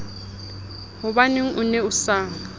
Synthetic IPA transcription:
hʊbaneŋ̩ʔʊneʊsaːŋ̩

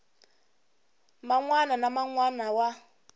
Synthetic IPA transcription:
maŋwananamaŋwanawa

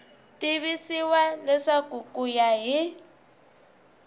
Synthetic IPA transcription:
tʼiβisiwalɛsakʼukʼujaɦi

